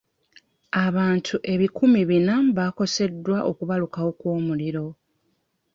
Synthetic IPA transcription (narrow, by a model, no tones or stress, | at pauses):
aβaːntʰuʔe̞βikumiβinaβako̞se̞dːwaʔo̞kuβalukawo̞kwo̞ːmuliɾo̞